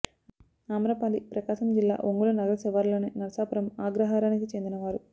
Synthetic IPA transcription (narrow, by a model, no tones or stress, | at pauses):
aːmɾɐpaːlipɾɐkaːʃɐmd͡ʒilːa̰ːʔoŋɡulɐnɐɡɐlɐsɛʋaːɾloːneːnɐɾsaːpɐɾɐmaːɡɾɐɦaːɾaːnikit͡ʃe̞nd̪inɐʋaːɾu